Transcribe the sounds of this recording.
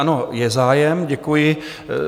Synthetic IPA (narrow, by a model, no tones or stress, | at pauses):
anojɛzaːjɛmɟɛkujɪ